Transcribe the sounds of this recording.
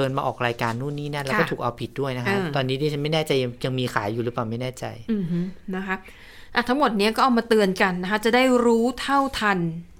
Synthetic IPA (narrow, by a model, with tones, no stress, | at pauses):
ɤː˧nmaː˧ʔɔː˨˩k̚ɾaː˧jkaː˧nːuː˥˩nːiː˦˥na˥˩˨lɛ˦˥kːt̪ʰuː˨˩k̚ʔa˧wpʰi˨˩t̪̚du˥˩əjna˦˥kːt̪ɔː˧nːi˦˥iː˥˩t͡ɕʰa˦˥ma˥˩jnɛː˥˩t͡ɕa˧ja˧ŋja˧ŋmiː˧xʰaː˩˦jːuː˨˩ɾɯ˦˥paː˨˩wma˥˩jnɛː˥˩t͡ɕa̰˧jʔɯ˨˩hɯ˦˥na˦˥kʰa˦˥ | ʔa˨˩t̪ʰa˦˥ŋmo˨˩t̪̚ni˦˥ɐkɔː˥˩ʔa˨˧wmaː˧t̪ɯ˧ənka˧nːa˦˥kʰa˦˥t͡ɕa˨˩daː˥˩jɾuː˦˥t̪ʰa˥˩wt̪ʰa˧n